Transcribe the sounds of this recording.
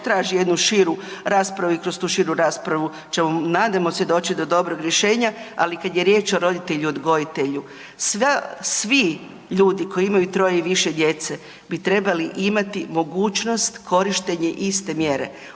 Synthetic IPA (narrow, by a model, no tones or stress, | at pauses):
t̪ɾaːʒije̞d̪nuʃiɾuɾaːspɾaʋuikɾost̪uːʃiɾuɾaːspɾaʋu | t͡ʃemonaːd̪amosʲjed̪o̞ːt͡ʃid̪o̞d̪o̞bɾoɡɾjeʃe̞ːɲaalikad̪je̞ɾjeːt͡ʃo̞ɾo̞d̪it̪eʎuod̪ɡo̞jit̪e̞ʎu | sʋesʋi | ʎuːd̪iko̞iimajut̪ɾo̞jeiʋiʃe̞d̪je̞t̪se | bit̪ɾe̞baliʔimat̪imo̞ɡuːt͡ʃno̞st̪kʰo̞ɾiʃt̪e̞ɲe̞ʔist̪e̞mje̞ɾe̞̰